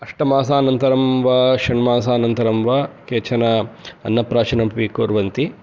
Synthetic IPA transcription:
ɐʂʈɐmaːsaːnɐnt̪ɐɾɐmʋaːʃɐɳmaːsaːnɐnt̪ɐɾɐmʋaːkeːt͡ʃʰɐnɐɐ̰nːɐpɾaːt͡ʃɐnɐmpʋikoːɾʋɐnt̪i

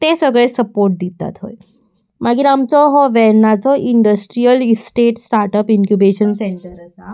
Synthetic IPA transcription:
t̪ẽsəɡɭesəpoɾʈ̚d̪it̪a̰t̪ɦo̰j | maɡiɾamt͡sɔɦɔʋɛɾnat͡sɔʔiɳɖəsʈɾijəlisʈeʈsʈaɾʈəpiŋkjubeɕənseɳʈəɾəsa

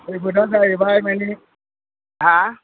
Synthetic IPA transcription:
eɡʊdazajibaimani | a

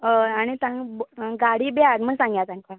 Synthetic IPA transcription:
əaɽ̃it̪ãŋbɡaɽiːbatm̤əɳsãŋɡjat̪ãŋka

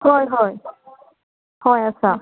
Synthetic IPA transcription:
hɔjɦɔj | hɔjat͡ɕʰa

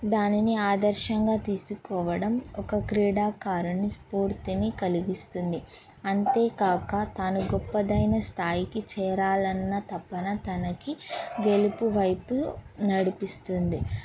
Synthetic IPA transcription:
d̪aːniniaːd̪ɐɾʃɐŋɡaːt̪iːsukɔːʋɐɽɐmɔkɐkɾiːɽaːkaːɾunispuːɾt̪inikɐliɡist̪und̪i | ɐnt̪e̞ːkaːkɐt̪aːnuɡɔpːɐd̪ɐjnɐst̪ʰaːjikit͡ʃɛːɾaːlɐnːɐt̪ɐpːɐnɐt̪ɐnɐkiɡe̞lipuʋɐjpunɐɽipist̪und̪i

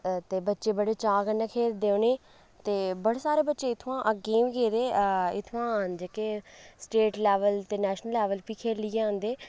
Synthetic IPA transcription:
t̪eːbətːʃeːbəɽeːt͡ʃãːɡənəkʰeːɾd̪eːõːneː | t̪eːbəɽeːsaːɾeːbətːʃeːɪt̪ʰoãːʔəɡẽːʋiɡeːd̪eːɪt̪ʰʋãːd͡ʒeːkeːsʈeːʈlɛːʋəlt̪eːnɛːʃnəlːɛːʋəlpiːkʰeːlɪjãːnd̪eː

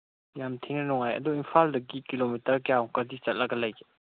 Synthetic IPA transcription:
jamtʰeŋnɐnɔŋajɐ̰duinpʰaldɐɡikilomitɐɾkjawkɐdit͡ʃɐt̚lɐkɡɐlɐj

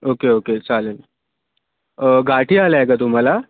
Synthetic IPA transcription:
oːkeoːkesalən | ɡʱaʈʰialaeɡat̪ʊm̤ala

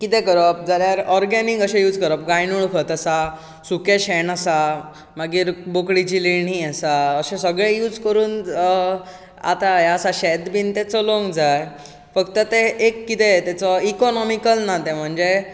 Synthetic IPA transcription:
kit̪ẽkəɾəp̚d͡zaɾjaɾɔɾɡaniŋɡəɕẽjuːd͡zkəɾəp̚ɡãjnuɭkʰət̪əsa | sukeɕɛnəsa | maɡiːɾbokɽit͡ɕiliɳɦiasaəɕẽsəɡɭẽjuːd͡zkəɾuːn | a̰t̪ajəsaɕɛt̪biːnt̪ɛt͡sɔloŋɡd͡zaj | fəkt̪ət̪eʔːkːit̪et̪ɛt͡sɔikɔnɔmikəlnat̪ẽm̤əɳd͡ze

